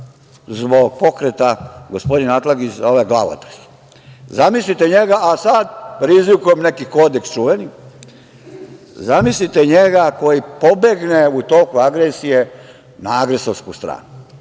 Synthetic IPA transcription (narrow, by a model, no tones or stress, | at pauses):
zbo̞ɡ̚po̞kɾet̪aɡospod̪inat̪laɡit͡ʃzoʋaɡla̰ʋo̰t̪ḁx | zamislit̪eɲeɡaasad̪pɾizʋikujemne̞kikoːd̪ekst͡ʃuʋeni | zamislit̪eɲeɡako̞jipo̞be̞ɡneut̪oːkuaɡɾesije | naaɡɾesoɾskust̪ɾa̰ːnu